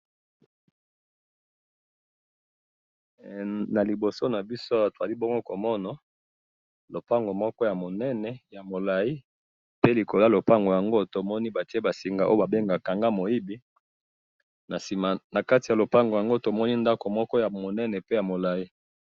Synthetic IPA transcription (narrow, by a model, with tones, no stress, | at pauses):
na˨li˨bo˨so˦na˨bi˦so˦a˦wa˦˨to˨za˨li˦bo˦ŋɡo˦ko˨mɔ˦na˨ | lo˨pa˦ŋɡo˨mɔ˦kɔ˦ja˨mo˨nɛ˦nɛ˨ja˨mo˨la˨i˦ | pe˦li˨ko˨la˦lo˨pa˦ŋɡo˨ja˨ŋɡo˦to˨mɔ˦ni˦ba˨ti˦e˦ba˨si˨ŋɡa˨ʔo˦o˦ba˨be˦ŋɡa˨ka˨ŋɡa˦mo˨i˦bi˨˦ | na˨si˨ma˨na˨ka˦ti˨ja˨lo˨pa˦ŋɡo˨ja˨ŋɡo˦to˨mɔ˦ni˦nda˦ko˨mɔ˦kɔ˦ja˨mo˨nɛ˦nɛ˨pe˦ja˨mo˨la˨i˦